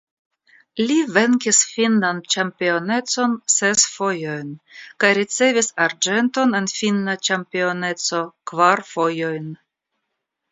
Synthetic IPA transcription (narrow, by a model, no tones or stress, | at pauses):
live̞ŋkisfinlant͡ʃampio̞ne̞t͡so̞nse̞sfo̞jo̞jnkajɾit͡se̞visaɾd͡ʒe̞nto̞ne̞nfinːat͡ʃampio̞ne̞t͡so̞kvaɾfo̞jo̞jn